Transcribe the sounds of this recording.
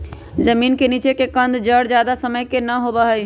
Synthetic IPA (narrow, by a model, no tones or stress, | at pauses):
d͡ʒəminkenit͡ʃekekənd̪d͡ʒəɽd͡ʒad̪asəməjkenəɦobəɦəj